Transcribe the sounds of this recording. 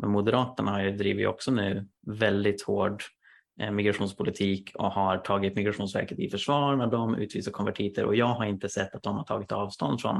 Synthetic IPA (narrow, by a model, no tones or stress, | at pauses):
mɛnmʊd̪ɛɾɑːt̪əɳahajɵd̪ɾḭːvɪtj̰ɔ̰ksɔnʉ̟ːvɛld̪ɪt̪hoːɖ | mɪɡɾaɧuːnspʰʊlɪt̪ʰiːkʰɔ̰haɾʈʰɑːɡɪt̪mɪɡɾaɧuːnsvæ̰ɾkət̪ɪfœʂvɑːɾɳad̪ɔmʉ̟ːt̪viːsakʰɔnvæʈʰiːt̪ʰəɾɔ̰jɑːɡɦaɾɪnt̪əsɛt̪ːat̪̚d̪ɔmhaʈʰɑ̰ːɡɪt̪ɑːvst̪ɔ̰nd̪fɾɔ̰m